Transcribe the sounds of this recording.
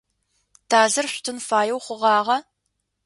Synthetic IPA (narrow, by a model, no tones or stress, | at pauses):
tʰaːɮɨrɕʷtʰɨnfaːjɛwχʷʊʁɑːʁɐ